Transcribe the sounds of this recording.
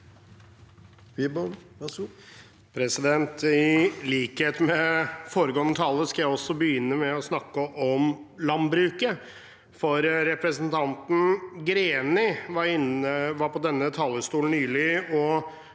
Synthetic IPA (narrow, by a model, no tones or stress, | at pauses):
pʰɾɛsɪd̪ɛnt̪ɪliːkheːt̪mɛfoːɾəɡoːənːət̪ʰɑːlˠəskɑjæɪɔsːɔbəjʏnːəmɛɔsnɑkːəʔɔmlɑnbɾʉːkə | fɔɾːɛpɾəsənt̪ʰɑnt̪n̩ɡɾeːnɪʋɑɾɪnəʋɑɾpɔd̪ɛnːət̪ʰɑːləst̪uːln̩nyːlɪɔ